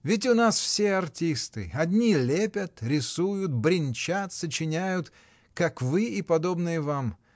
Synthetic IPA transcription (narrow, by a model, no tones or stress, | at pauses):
vʲɪt̬ʲʊnasfsʲeɐrtʲist̪ɨ̰ɐdʲnʲilʲepʲət̪ɾʲɪsujʊt̪̚bɾʲɪnʲt͡ɕat̪sət͡ɕɪnʲæjʊt̪ | kakvɨipɐd̪o̞bnɨjəvam